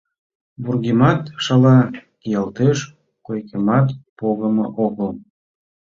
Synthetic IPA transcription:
burɣimɑt̪ʃɑlɑkijɑlt̪eʃ | kojkemɑt̪poɣəmɤ̰ʔoɣəl

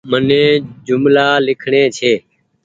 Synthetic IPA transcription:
mənẽːd͡ʒʊmlaːlɪkʰɳẽːt͡ʃʰeː

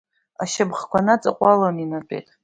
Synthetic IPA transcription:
aʃabχkʷʰanat͡sʼaqʷʼalaninapʼḛtʼ

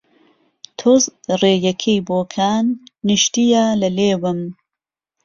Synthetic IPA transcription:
t̪ʰozreːjɐkʰejboːkʰaːnːɨʃt̪ijaːlɐleːwɨm

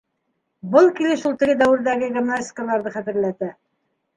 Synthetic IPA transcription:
bɤlˠkilɘʃulˠt̪ɘ̆ɡɘd̪æwɘ̆ɾðæɡɘɡʲimnasʲtʲɪ̥kəlˠɑɾðɤχæt̪ɘ̆ɾlæt̪æ

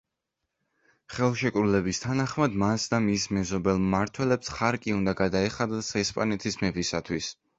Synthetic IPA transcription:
χɛlˠʃɛkʼɾulɛbist̪ʰanaχmad̪masd̪amismɛzɔbɛlˠmaɾt̪ʰwɛlɛpsχaɾkʼiund̪aɡad̪aɛχad̪ɛsɛspʼanɛt̪ʰismɛbisat̪ʰwis

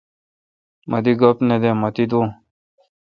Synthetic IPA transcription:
mɐd̪iɡɐpned̪emɐt̪id̪õː

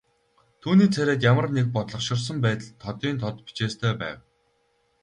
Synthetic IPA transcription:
t̪ʰuːniːt͡sʰæɾeːk̪jamə̆rnek̚pɔt̪ɮɞ̆qʃɪ̆rs̬ə̆mpæːt̪ə̆ɮt̪ʰːɔt̪iːnt̪ʰɔt̪pi̥t͡ɕeːst̪ʰœːpæ̰ːw

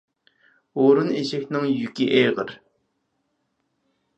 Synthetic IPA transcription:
woɾʊneɕəknaŋjukːiʔeʁər

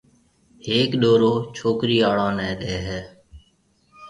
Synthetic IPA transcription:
heːkɗoːɾoːt͡ʃʰoːkɾiːaːɭãːnɛ̃ːɗeːɦɛː

